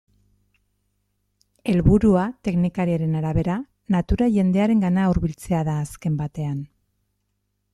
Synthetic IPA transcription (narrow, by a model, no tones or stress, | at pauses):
e̞lβuɾuat̪e̞knikaɾiaɾe̞naɾaβe̞ɾa | nat̪uɾaʝe̞nd̪e̞aɾe̞ŋɡanauɾβilt͡se̞aðaːske̞mbat̪e̞an